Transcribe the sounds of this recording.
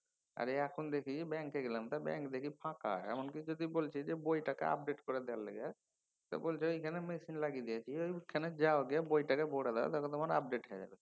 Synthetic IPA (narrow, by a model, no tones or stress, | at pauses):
a̰ɾeɛkʰond̪ekʰit͡ʃʰibɛŋkeɡelamt̪abɛ̰̃ŋkd̪ekʰipʰãka̰eɛ̰monkid͡ʒod̪ibolt͡ʃʰid͡ʒebojʈakḛa̰p̚ɖeʈkoɾed̪ɛwalːɛ̰ɡe | t̪ɔ̰bolt͡ʃʰeoikʰanemesinlaɡid̪ijat͡ʃʰiojkʰːaned͡ʒaoɡiabojʈakeboɽad̪ɛ̰t̪akʰɔ̃t̪amanap̚ɖeʈɦɔad͡ʒa̰be